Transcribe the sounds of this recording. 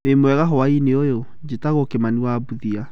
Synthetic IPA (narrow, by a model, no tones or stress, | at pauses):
emwɛɣaɦɔaineojo | d͡ʒetaɣokemaniwaːbuðia